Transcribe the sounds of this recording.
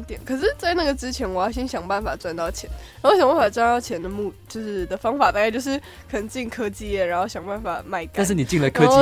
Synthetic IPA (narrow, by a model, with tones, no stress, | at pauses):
t̪jɛ˨˩˦nkʰɤ˨˩ʂɻ̩˥˧t͡sa˥˧ɪna˥˩ɡə˩ʈ͡ʂɻ̩˥t͡ɕʰjɛ˧˥nwɔ˨˩jɑ˥˩ʊɕ̬iɛ˥nɕjɑ˨˩ŋpa˥˩nfa˨˩ʈ͡ʂwa˥˧nt̪ɑ˥˩ʊt͡ɕʰjɛ˧˥˦na˨˩˥o˥˩ɕjɑ˨˩ŋba˥˩n˩fa˨˩ʈ͡ʂwa˥nt̪ɑ˥˩ʊt͡ɕʰjɛ˧˥nd̪ə˧mu˥˩t͡ɕjo˥˧ʊʂɻ̩˥˩d̪ə˩fɑ˥ŋfa˨˩˦t̪a˥˧kɪt͡ɕjo˥˧ʊʂɻ̩˥˩ | kʰɤ˨˩nə˧˥ŋt͡ɕi˥˩ŋkʰɤ˥t͡ɕi˥˧ɛ˥˩ɻa˧˥nxo˥˩ɕjɑ˨˩ŋba˥˩nfa̰˨˩ma˥˩ɪ˥ka˥a˥˧nʂ̬ɻ̩˥˩ni˨˩t͡ɕi˥˩ŋlə˨˧kʰɤ˥